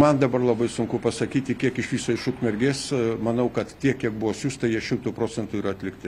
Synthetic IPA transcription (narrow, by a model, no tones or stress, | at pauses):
mɐnd̪ɐbɐrlˠɐbɐɪsʊŋkʊpɐsɐkʲiːt̪ʲɪkʲiɛkɪʃʋʲiːsoːɪʃʊkmʲɛɾʲɡʲeːsmɐnɐʊkɐt̪tʲiɛkkʲːiɛk̚bʊʋoːsʲuːst̪ɐɪjiɛʃʲɪmt̪uːpɾoːt͡sʲɛnt̪uːiːɾɐɐt̪ʲlʲɪkt̪ʲɪ